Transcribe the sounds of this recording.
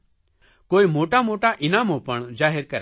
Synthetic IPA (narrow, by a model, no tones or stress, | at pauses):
koːimoːʈamoːʈaʔɪnaːmopɐɳd͡ʒaːɦɪɾkɐɾ